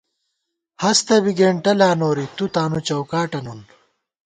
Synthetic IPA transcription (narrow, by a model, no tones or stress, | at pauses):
hɐst̪ɐbiɡeːɳʈɐlaːnoːɾit̪ut̪aːnut͡ɕɐwkaːʈɐnun